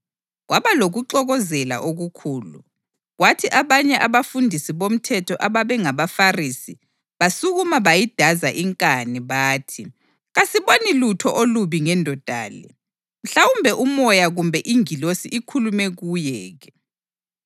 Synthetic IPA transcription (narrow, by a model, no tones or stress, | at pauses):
ɣwaβaloɣuǃɔɣɔzɛla̰ʔoɣukʰuːlṵ | ɣwatʰiʔaβaɲɛʔaβafundʱisiβom̩tʰɛtʰɔʔaβaβɛŋaβafarisi | βasuɣumaβajid̥ʱazaʔiŋkʼaniβaːtʰi | ɣasiβonilutʰɔʔoluβiŋɛndʱɔd̥ʱa̰ːlɛ̰ | m̩ɬawumbʱɛʔumɔjaɣumbʱɛʔiŋilosiʔikʰulumɛɣujɛːɣɛ